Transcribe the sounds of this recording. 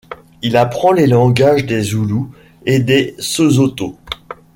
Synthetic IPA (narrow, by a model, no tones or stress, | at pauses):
ilapχɑ̃lelɑ̃ɡaʒd̪ezulu | ed̪esozot̪o